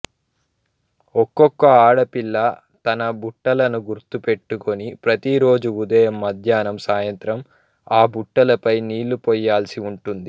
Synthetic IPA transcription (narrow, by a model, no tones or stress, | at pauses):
ɔkːɔkːɐaːɽɐpilːɐ | t̪ɐnɐbuʈːɐlɐnuɡuɾt̪upe̞ʈːuko̞nipɾɐt̪iɾo̞ːd͡ʒuud̪ɐjɐmːɐd̪ʱjaːnɐmsaːjɐnt̪ɾɐm | aːbuʈːɐlɐpɐjniːlːupɔjːaːlsiuɳʈund̪i